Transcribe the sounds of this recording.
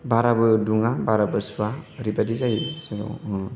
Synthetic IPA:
bʱaɾabɯduŋabaɾabɯsuaɾibadizaisaɡɔ̰

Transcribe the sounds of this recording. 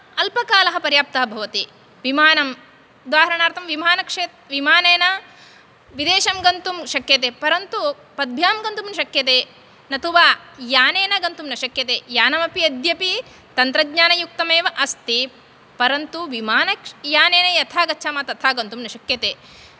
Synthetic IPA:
ɐlpɐkaːlɐɦɐpɐɾjaːp̚t̪ɐɦɐbʱɐʋɐt̪i | ʋimaːnɐm | ud̪aːɦɐɾɐɳaːɾt̪ʰɐmʋimaːnɐkʂeːt̪̚ʋimaːneːnɐ | ʋid̪eːʃɐmɡɐnt̪umʃɐkjɐt̪eːpɐɾɐnt̪u | pɐd̪̚bʱjaːmɡɐnt̪umnɐʃɐkjɐt̪eː | nɐt̪uʋaːjaːneːnɐɡɐnt̪umnɐʃɐkjɐt̪eːjaːnɐmɐpiɐd̪ʱjɐpi | t̪ɐnt̪ɾɐɡɲaːnɐjuk̚t̪ɐmeːʋɐʔɐst̪i | pɐɾɐnt̪uʋimaːnɐkjaːneːnɐjɐt̪ʰaːɡɐʃʰaːmɐt̪ɐt̪ʰaːɡɐnt̪umnɐʃɐkjɐt̪eː

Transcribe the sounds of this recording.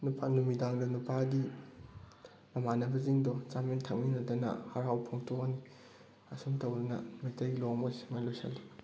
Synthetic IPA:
nupanumidaŋdɐnupaɡi | mɐmanɐbɐziŋdɔt͡ʃamentʰɐk̚minɐdɐnɐ̰haɾawpʰoŋtʰokni | ɐsumtʰɐwdɐnɐ̰mitɐjɡiloŋmɐsimajlosa̰lːi

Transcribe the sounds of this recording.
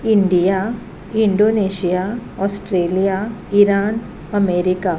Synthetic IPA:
ɪɳɖija | ɪ̃ɳɖoːneːʃijaɔːsʈɾeːlijaɪɾaːn | ɐmeːɾɪkaː

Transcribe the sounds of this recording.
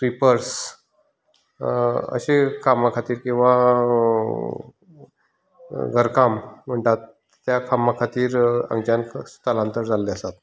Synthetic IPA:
ʈɾipəɾs | ə̰ɕekʰamakʰat̪iːɾkĩw̃ʋa | ɡʱəɾkamm̤əɳʈat̪ | t̪jakʰamakʰat̪iːɾə̰ŋɡd͡ʑanst̪əlãnt̪əɾd͡zalːeəsat̪

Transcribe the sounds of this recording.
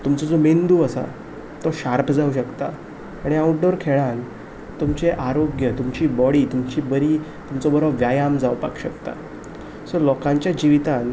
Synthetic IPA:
t̪umt͡sɔd͡zomend̪uːəsa̰ | t̪ɔɕaɾpʰd͡zauɕəkt̪aː | ɽ̃iauʈ̚ɖoɾkʰeɭan | t̪umt͡seʔaɾoɡjət̪umt͡ɕiːbɔɽiːt̪umt͡ɕiːbəɾiːt̪umt͡sɔbəɾəʋjajamd͡zaʋpa̰kɕəkt̪a̰ | səlɔkãɲt͡ɕjad͡ʑiʋit̪an

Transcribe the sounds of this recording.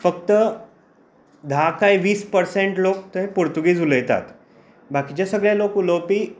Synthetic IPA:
fəkt̪ə | d̪ʱakaiʋiːspəɾseɳʈlokt̪əẽpuɾt̪uɡiːd͡zuləjt̪a̰t̪ | bakit͡ɕasəɡɭjalokuləwpiː

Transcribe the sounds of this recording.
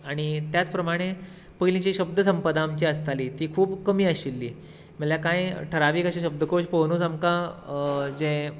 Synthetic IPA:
aɽ̃it̪jat͡spɾəmaɽ̃e | pəjlĩt͡ɕiɕəb̚d̪ʱəsəmpəd̪aːmt͡ɕeəst̪aliːt̪iːkʰuːbkəmiːəɕilːiː | məljakãjʈʰəɾaʋiːkəɕĩɕəb̚d̪ʱəkoɕpəɦnuːt͡samkã | d͡zẽ

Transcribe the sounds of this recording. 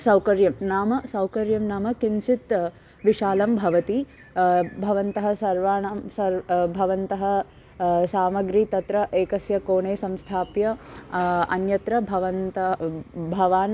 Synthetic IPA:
sɐwkɐɾjɐmnaːmɐsɐwkɐɾjɐmnaːmɐkinʃit̪ | ʋiʃaːlɐmbʱɐʋɐt̪i | bʱɐʋɐnt̪ɐɦɐ̆sɐɾʋaːɳɐmsɐɾbʱɐʋɐnt̪ɐɦɐ̆ | saːmɐɡɾit̪ɐt̪ɾɐʔeːkɐsjɐkoːɳeːsɐmst̪ʰaːpjɐ | ɐ̰njɐt̪ɾɐbʱɐʋɐnt̪ɐbʱɐʋaːn

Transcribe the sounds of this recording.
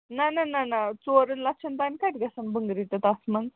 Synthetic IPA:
nanananat͡soɾənlat͡ʃʰɐnt̪ankaʈ̪ɡɐsɐnbəŋɡɾit̪ɐt̪asməŋɡ

